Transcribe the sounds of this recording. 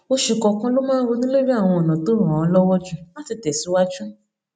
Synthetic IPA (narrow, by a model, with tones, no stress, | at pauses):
o˧ʃu˨kɔ˨˧kã˦lo˦mãː˦ɾo˧nĩ˦le˦ɾi˦a˦˨w̃ɔ̃˧ɔ˨nã˨to˨˦ɾ̃ã˨ɔ˧lɔ˦wɔ˦d͡ʒu˦la˦ti˧tɛ˨si˨˦wa˦d͡ʒũ˦